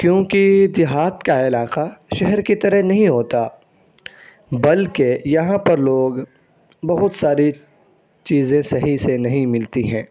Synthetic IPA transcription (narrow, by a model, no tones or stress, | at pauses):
kjõːkid̪ɪɦaːt̪kaɪlaːqaʃɛɦɛɾkit̪ɐɾəɦnɐɦĩɦoːt̪a | bɐlkejɐɦãpɐɾloːɡ | bɐɦʊt̪saːɾi | t͡ʃiːzẽsɐɦisenɐɦĩmɪlt̪iɦɛ̃ː